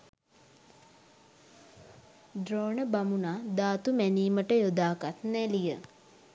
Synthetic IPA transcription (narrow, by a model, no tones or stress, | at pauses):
ɖroːnəbamunaːd̪aːt̪umæniːməʈəjod̪aːkat̪nɛlijə